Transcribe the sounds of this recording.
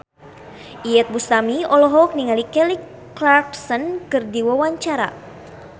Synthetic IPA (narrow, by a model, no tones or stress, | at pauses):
ʔiɛt̪̚bust̪amiɔlɔɦɔk̚niŋalikɛlikː | larksɔnkɨrdiwawaɲt͡ʃaɾa̰